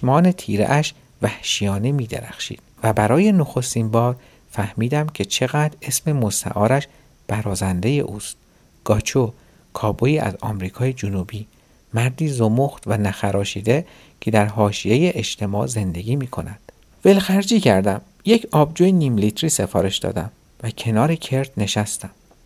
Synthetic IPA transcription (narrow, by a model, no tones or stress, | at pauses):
smɒːne̞t̪ʰiːɾḛʔæʃ | væhʃijɒːnemiːd̪e̞̰ɾæ̰xʃḭːd̪̥væbæɾɒːje̞noxo̞st̪inbɒːɾ | fæhmiːd̪æmcʰe̞t͡ʃʰe̞ɣæd̪ɾe̞sme̞most̪æ̰ʔɒːɾæʃ | b̥æɾɒːzænd̪e̞je̞̰ʔuːst̪ | ɡ̥ɒːt͡ʃʰo | kʰɒːboiːæ̰zɒ̰ːmɾiːkʰɒːjed͡ʒonuːbiː | mæɾd̪iːzomoxt̪vænæxæɾɒːʃiːd̪e̞ | cʰe̞d̪æɾɦɒːʃije̞jeʔeʃt̪ʰe̞mɒːze̞nd̪e̞ɡʲiːmiːkʰo̞̰næd̪̥ | ve̞lxæɾd͡ʒiːcʰæɾd̪æm | je̞cʰɒːb̚d͡ʒuːjeniːmlit̪ʰɾiːse̞fɒːɾe̞ʃd̪ɒ̰ːd̪æm | væcʰe̞nɒːɾe̞cʰe̞ɾt̪ʰne̞ʃæst̪æm